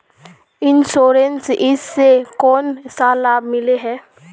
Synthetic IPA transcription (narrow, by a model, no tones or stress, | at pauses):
ɪnsoːɾensɪsːekɔːnsaːlaːbmɪleɦɛː